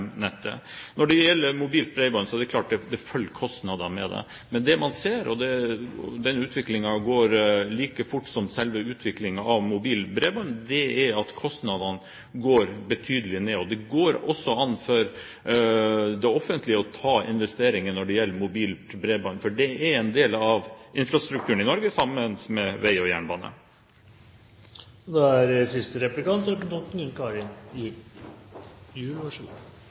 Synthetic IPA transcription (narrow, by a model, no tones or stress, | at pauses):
nɛt̪ːə̰nɔɖɛjɛlːəɾmʊbiːlt̪̚bɾɛɪbɑnsɔɛd̪ɛkʰlɑːʈ̚d̪ɛd̪ɛfœlkʰɔst̪nɑd̪ɑmɛ̰d̪ɛ̰ | mɛnd̪ɛmɑnseːɾɔd̪ɛd̪ɛnːəʉːt̪ʰʋɪklɪŋɑɡoːɾliːkəfʊʈːsɔmsɛlʋəʉːt̪ʰʋɪklɪŋɑɑʋmʊbiːlbɾeːbɑnd̪ɛæɾɑt̪kʰɔst̪nɑd̪ɑn | ɡoːɾbət̪ʰyːd̪əlɪneːɔd̪ɛɡoːɾɔsːɔɑnːfɔɾ | d̪ɛɔfənt̪lɪəɔt̪ʰɑːɪnʋɛst̪eːɾɪŋənnɔɖɛjɛlːəmʊbiːlbɾeːbɑnfɔɖɛæɾɛnd̪eːlɑʋʔɪnfɾɑst̪ɾʉkt̪ʉːəɳɪnɔɾɡəsɑmːənsmɛʋæɪɔjæ̰ːɳbɑːnə̰ | d̪ɛæɾsɪst̪əɾɛplɪkɑnt̪ɔkənt̪ʰɔt̪̩ʉnkʰɑɾɪnɪ | jʉːlɪɑʂʉ̰ː